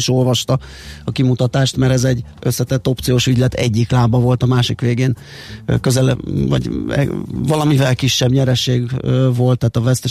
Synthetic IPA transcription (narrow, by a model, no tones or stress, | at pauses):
ʃo̞lvɒʃt̪ɒ | ɒkimut̪ɒt̪aːʃt̪mɛɾɛzɛɟː | ʔø̞sːɛt̪ɛt̪ːo̞p̚tsijoːʃyɟlɛt̪ʰɛ̰ɟːiklaːbɒvo̞lt̪ɒmaːʃikʋeːɡeːn | køzɛlɛvɒ̰ɟ̰ | vɒlɒmivɛlkiʃːɛbɲɛɾɛʃeːɡvo̞lt̪ːaːt̪ɒvɛst̪ɛ